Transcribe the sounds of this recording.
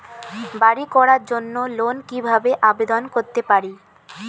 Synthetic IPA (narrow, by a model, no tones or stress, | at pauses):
baɽikɔɾaɾd͡ʑonːolonkibʱabeʔabed̪onkoɾt̪epaɾi